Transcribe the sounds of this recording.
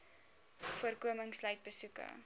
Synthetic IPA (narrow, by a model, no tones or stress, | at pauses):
fuərkuəməŋslɐɥt̚bəsukə̰